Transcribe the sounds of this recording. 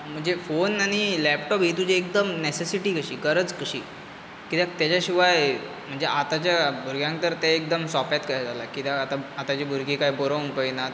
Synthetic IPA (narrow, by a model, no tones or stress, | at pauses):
m̤əɳd͡zefonañilɛpʈɔpɦit̪ud͡ʑeːkd̪əmnesesiʈiːkəɕiːkəɾət͡skəɕḭː | kit̪jat̪jat͡ɕaɕiʋaj | m̤əɳd͡zeʔat̪at͡ɕjabʱuɾɡjãŋk̚t̪əɾt̪eek̚d̪əmsɔpjat̪kəɦad͡zʱalakit̪jaat̪aat̪at͡ɕibʱuɾɡikaiboɾəwnpəjnat̪̚